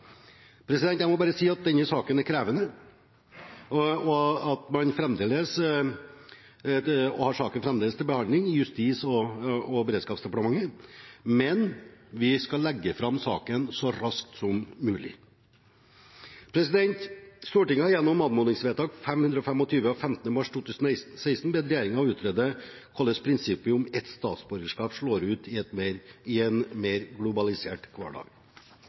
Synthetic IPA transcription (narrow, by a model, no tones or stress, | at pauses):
pʰɾɛsɪd̪ɛnt̪jæɪmɔbɑːɾəsiːɑt̪̚d̪ɛnːəsɑːkənæɾkʰɾæːʋənə | ɔɑt̪mɑnfɾɛmd̪eːləs | ɔhɑʂɑːkənfɾɛmd̪eːləst̪ɪlbəhɑnd̪lɪŋɪjʉst̪iːsɔɔbɛɾeːd̪skɑːpsd̪ɛpɑʈəmɑŋːəmɛnʋɪskɑlːɛɡːəfɾɑmːsɑ̰ːkənsɔɾɑskt̪sɔmːʉːlɪ̰ | pʰɾɛsɪd̪ɛnt̪st̪uːʈɪŋːəɑjɛnːɔmːɑnmʊnɪŋsʋeːt̪ʰɑːɡfɛmhʉnd̪ɾɔfɛmɔt̪ʰyːʋəɔfɛmt̪ən̩əmɑʂt̪ʰuːt̪ʰʉːsn̩ɛɪst̪n̩sæɪst̪n̩beːd̪ɾɛjæːɾɪŋɑʋʉːt̪ʰɾɛːd̪ə | kʰɑlːəspʰɾɪnsɪpːəʊmɛt̪st̪ɑ̰ːt̪sbœɾɡəʂkɑːpʂɭoːɾʉːt̪ɪt̪ɪɛnmeːɾɡlʊbɑlɪseːʈkʰʋɑ̰ːɖɑ̰ːɡ̥